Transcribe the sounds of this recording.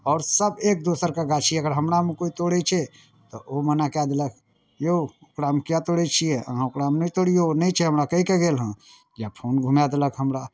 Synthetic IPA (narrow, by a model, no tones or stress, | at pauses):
ɔːɾsəbek̚d̪osəɾkaɡat͡ʃʰiɛəɡəɾɦəmɾamekoit̪oɽɛt͡ʃʰɛ | t̪ɔʔomənakad̪elək | joʊkɾamekjat̪oɽɛt͡ʃʰijeə̰ɦãokɾamnəit̪oɽijonəit͡ʃʰɛɦəmɾakəikeɡelɦə̃ | japʰonɡʱumjad̪eləkɦəmɾa